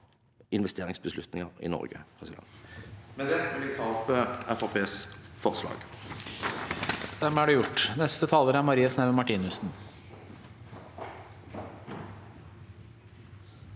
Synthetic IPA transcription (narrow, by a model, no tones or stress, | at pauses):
ɪnʋɛst̪ʰeːʁɪŋsbəslʉt̪nɪŋəʁɪ̰nɔ̰ʁɡə̰pʰʁɛsɪd̪ɛ̰nmɛd̪ɛːʋɪlʋɪt̪ʰɑːpʰːəɛfɑʁpʰeːsfɔʁslɑ̰ːɡ̥ | d̪̥ɛmæɖɛjʊʈːnɛst̪ət̪ʰɑːləɾæɾmɑɾiːɑsnæʋmɑʈiːnʉsn̩